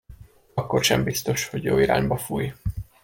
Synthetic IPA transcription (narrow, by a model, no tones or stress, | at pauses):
ɒkːo̞rʃɛmbist̪o̞ʃhoɟjoːiɾa̰ːɲbɒfuːj